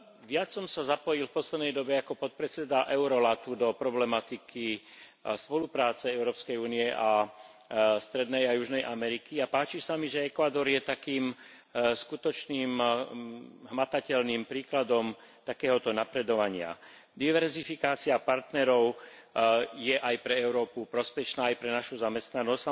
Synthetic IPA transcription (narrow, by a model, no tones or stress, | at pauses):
ʋɪat͡sːɔmsazapɔjilfpɔslɛd̪nɛjd̪ɔbɛakɔpɔt̪̚pɾɛt͡sɛd̪aʔɛʊɾɔlat̪ud̪ɔpɾɔblɛmat̪ikʰi | spɔlupɾaːt͡sɛɛʊɾɔːpskɛjuːniɛʔa | st̪ɾɛd̪nɛjajuʒnɛjʔamɛɾikiapaːt͡ʃisamiʒɛɛkʋad̪ɔɾjɛt̪akiːm | skut̪ɔt͡ʃniːm | ɦmat̪acɛlniːmpɾiːklad̪ɔm | t̪akɛːɦɔt̪ɔnapɾɛd̪ɔʋaɲɪa̰ | d̪iʋɛɾzifikaːt͡siapaɾt̪nɛɾɔʊ | jɛʔajpɾɛɛʊɾɔːpupɾɔspɛʃnaːjpɾɛnaʃuzamɛst̪nanɔs